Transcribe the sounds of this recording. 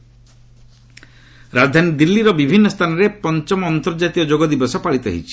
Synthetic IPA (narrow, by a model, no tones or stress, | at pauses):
ɾad͡ʒd̪ʱanid̪ilːiɾɔbibʱinːɔst̪ʰanɔɾepɔnt͡ʃɔmɔːnt̪ɔɾd͡ʒat̪iɔd͡ʒoɡɔd̪ibɔsɔpaɭit̪ɔɦḭt͡ʃʰi̥